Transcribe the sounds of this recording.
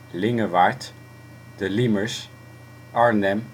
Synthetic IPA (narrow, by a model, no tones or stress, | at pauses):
lɪŋəʋaːɹt | d̥əliməɹs | ʔɑɹnɛm